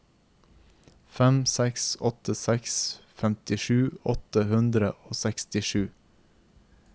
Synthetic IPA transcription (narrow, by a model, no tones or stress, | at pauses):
fɛmsɛksɔt̪əsɛksfɛmt̪ɪʃʉːɔt̪əhʉnd̪ɾə̰ʔoːsɛkst̪ɪʃʉː